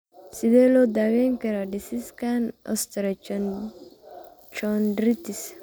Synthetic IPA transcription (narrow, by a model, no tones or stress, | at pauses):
sid̪elod̪aɡeŋkeɾaɖisiskanɐ̰st̪ɐɾɐ | t͡ʃonɖɾit̪is